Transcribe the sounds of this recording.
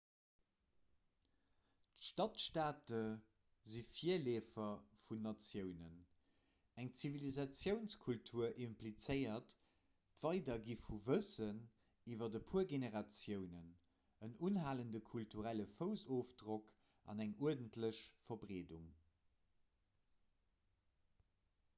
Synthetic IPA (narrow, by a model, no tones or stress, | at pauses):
ʃtɑtʃtaːtə | zifiɐleːfɐfunːɑt͡sjəʊnən | æŋt͡sivilizɑt͡sjəʊnskʰultʰuːɐʔimplit͡səɪɐt | tv̥ɑɪdɐɡifuvəsən | ivɐdəpʰuːɐɡeneʁɑt͡sjəʊnən | ənunɦaːləndəkʰultʰuʁæləfəʊzoːfdʁok | ʔɑ̰næŋuɐdəntləɕfɐbʀeːduŋ